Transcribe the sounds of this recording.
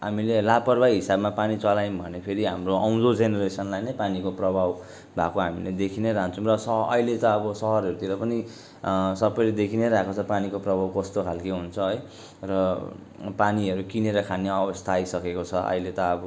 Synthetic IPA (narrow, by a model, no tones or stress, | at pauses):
ɦamilelapʌrbajɦisabmapanit͡sʌlajmbʱʌnepʰeɾiɦamroʌw̃d̪od͡zeneɾesʌnlajnʌjpanikoprʌbʱaw | bʱakoɦamiled̪ekʰineɾaɦant͡sʰʌũrʌsʌɦʌ̰ilet̪ʌːbʌsʌɦʌɾɦʌɾut̪iɾʌpʌni | sʌbʌjled̪ekʰineɾaɦekot͡sʰʌpanikoprʌbʱawkʌst̪okʰalkeɦunt͡sʰʌɦʌj | rʌ | paniʌɾukineɾʌkʰaneʌbʌst̪ʰaːjsʌkekot͡sʰʌʌ̰ilet̪ʌːbʌ